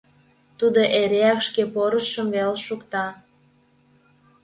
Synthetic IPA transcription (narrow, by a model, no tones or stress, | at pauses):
t̪ud̪oʔeɾeækʃkepoɾəʃəmvelʃukt̪ɑ